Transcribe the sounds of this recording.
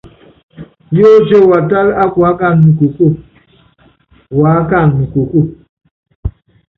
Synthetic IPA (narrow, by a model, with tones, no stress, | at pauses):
jo˦d͡ʒe˦wa˨ta˦la˦kwa˨˦ka˦˨nmu˨ko˨ko˦˨ | wa˨˦ka˦˨nmu˨ko˨ku˦˨